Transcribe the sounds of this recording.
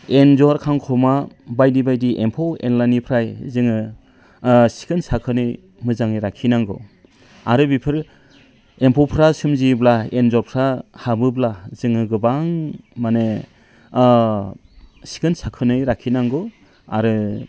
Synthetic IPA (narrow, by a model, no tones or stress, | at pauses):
enzɔɾkʰaŋkʰɔma | bajdibajdiʔempʰɔwḛnlajnipʰɾajzɯŋɯ | si̥kʰɯnsakʰɯnɯj | mɯzaŋɯjɾakʰːinaŋɡɔ | aɾɯbipʰɯɾ | empʰɔwpʰɾasɯmziblaenzɔɾpʰɾahabɯblazɯŋɯɡɯbaŋmane | si̥kʰɯnsakʰɯnɯjɾakʰːinaŋɡɔ | a̰ɾɯ